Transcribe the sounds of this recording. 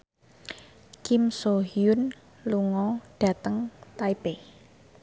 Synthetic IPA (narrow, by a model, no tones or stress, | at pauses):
kimsoɦiʊn | luŋɔɖ̥a̤t̪əŋt̪aibe